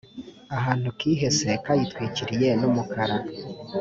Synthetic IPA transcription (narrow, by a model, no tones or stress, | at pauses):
aɦaːn̥hukiːɦe̞se̞kajitwiːciɾije̞numukʰaɾa